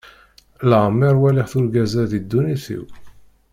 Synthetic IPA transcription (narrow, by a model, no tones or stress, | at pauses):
ləʁmːiɾˤwælɪħθulɡæzæðid̪ːuniθḭw